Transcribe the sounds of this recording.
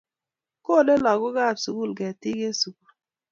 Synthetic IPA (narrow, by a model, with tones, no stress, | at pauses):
ko˦˨le˦lɔ˨ɡu˦ɣa˦˨bsu˨ɡu˦˨lɡɛ˨ti˦ɡe˦su˨ɡu˦˨l